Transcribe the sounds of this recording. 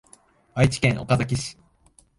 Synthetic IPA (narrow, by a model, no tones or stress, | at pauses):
βait͡ɕi̥kẽ̞ɰ̃ʔo̰kazak̬ʲiɕi̥